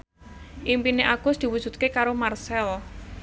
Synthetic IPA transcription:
ʔimpineʔaɡ̥ʊsd̪̥i̤wud̥ʒ̥ṳt̪̚kekaɾomarsɛl

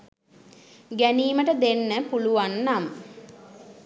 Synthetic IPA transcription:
ɡæniːməʈəd̪enːəpuluʋanːam

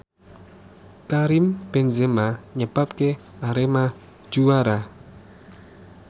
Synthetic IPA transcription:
kaɾimb̥ɛnzemaɲəb̥ap̚keaɾemḁ | ʒ̥uwaɾa

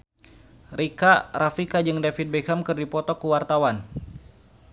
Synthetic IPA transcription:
rikarafikad͡ʒɨŋdafit̪̚bekamkɨrdipɔt̪ɔkuwart̪awan

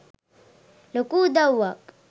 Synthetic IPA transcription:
lʊkuːd̪awːakʼ

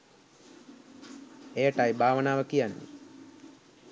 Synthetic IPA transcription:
ejəʈajbʱaːʋənaːʋəkijanːḭ

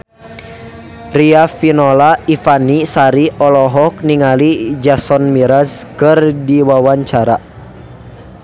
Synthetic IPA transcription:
riafinɔlaifanisaɾiɔlɔɦɔk̚niŋalid͡ʒasɔnmiɾaskɨrdiwawaɲt͡ʃaɾa

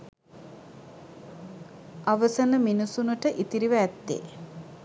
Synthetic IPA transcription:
aʋəsənəminusunəʈəʔit̪iɾiʋæːt̪ːḛ

